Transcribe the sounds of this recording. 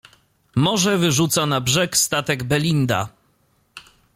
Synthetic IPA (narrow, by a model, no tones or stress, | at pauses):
mɔʐɛvɘʐut̪sanabʐɛkst̪at̪ɛɡbɛlʲind̪a̰